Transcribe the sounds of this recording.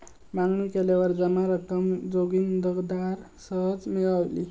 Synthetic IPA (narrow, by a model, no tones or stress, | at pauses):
maŋɡnikelaʋəɾd͡zəmaɾəkəmd͡zoɡind̪əɡd̪aɾ | səɦəd͡zmiɡəʋlḭ